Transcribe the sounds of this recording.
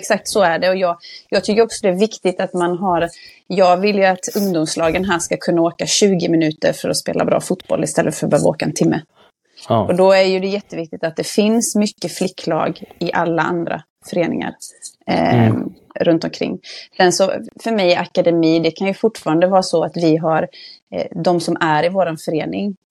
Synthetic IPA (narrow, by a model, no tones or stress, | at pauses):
ɛksak̚t̪sɔæɖɛɔjɑːɡjɑːɡt̪ʰʏkːəɾɔksɔd̪ɛæɾvɪkt̪ɪt̪at̪manɦaɾ | jɑːɡvɪljɵat̪ɵŋd̪ʊmslɑːɡənɦæːʂkakʰɵnːaoːkaɕʉ̟ːɡɪmɪnʉ̟ːt̪ə̰ɾfœɾɔspḛːlʔa̰bɾɑ̰ːfut̪bɔ̰lːɪst̪ɛlːəfœɾbœːvao̰ːkaɛ̰nt̪ʰɪmːə | ʔɔd̪ɔæɾjɵd̪ɛjɛt̪ːəvɪk̚t̪ɪt̪at̪̚d̪ɛfɪnsmʏkːəflɪkʰːlɑ̰ːɡɪʔalːaa̰nd̪ɾa̰ | fœɾeːnɪ̰ŋa̰ɾ | ɾɵnt̪ɔmkʰɾɪ̰ŋːsɛnsɔ̰fœɾmɛjakad̪ɛmiːd̪ɛkʰanjɵfʊʈːfɑːɾand̪əvɑːɾasɔat̪vɪɦaɾ | d̪ɔmsɔmʔæɾɪvoːɾanfœɾeːnɪŋ